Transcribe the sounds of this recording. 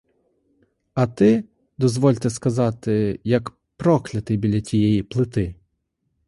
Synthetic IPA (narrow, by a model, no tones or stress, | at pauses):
ɐt̪ɪ | d̪ɔzʋɔlʲt̪ɛskɐzɑt̪ɪjɐk | pɾɔklʲɐt̪ɪjbʲilʲːɐtʲijɛjiplˠɪt̪ɪ